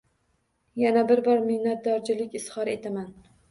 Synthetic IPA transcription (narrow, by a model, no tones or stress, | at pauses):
janabɪɾbɒɾmɪhnat̪̚d̪ɒɾd͡ʒɪlɪkʲɪshɒɾe̞t̪ʰaman